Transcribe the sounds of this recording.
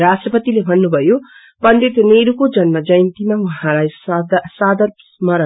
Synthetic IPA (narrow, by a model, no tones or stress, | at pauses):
ɾasʈrʌpʌt̪ilebʱʌnːubʱʌjo | bʌnd̪it̪neɾukod͡zʌnmʌd͡zʌjnt̪imawuɦãlajsd̪sad̪ʌɾsmʌɾ